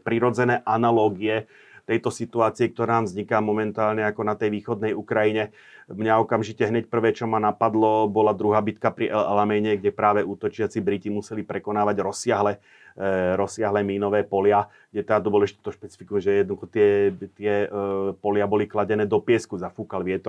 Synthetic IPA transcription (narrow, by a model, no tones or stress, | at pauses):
pɾiɾɔd͡zɛnɛːʔanalɔːɡiɛ | t̪ɛjt̪ɔsit̪uaːt͡siɛk̚t̪ɔɾaːvzɲikaːmɔmɛnt̪aːlɲɛakɔnat̪ɛjʋiːxɔd̪nɛjukɾajiɲɛ | mɲaɔkamʒicɛɦɲɛcpr̩ʋɛːt͡ʃɔmanapad̪lɔbɔlad̪ɾuɦaːbit̪kapɾiʔɛla̰lamɛɲɛɡɟɛpɾaːʋɛʔuːt̪ɔt͡ʃɪat͡sibɾicimusɛlipɾɛkɔnaːʋaɟɾɔsːɪaɦlɛ | ɾɔsːɪaɦlɛːmiːnɔʋɛːpɔlɪa | ɡ̥ɟɛt̪ɛd̪at̪ɔɔbɔlɛʒit̪ut̪ɔʃpɛt͡si̥fikuʒɛjɛd̪nd̪uxɔt̪ɪɛt̪ɪɛpɔlɪabɔliklaɟɛnɛːd̪ɔpɪɛskuzafuːkalʋɪɛt̪ɔ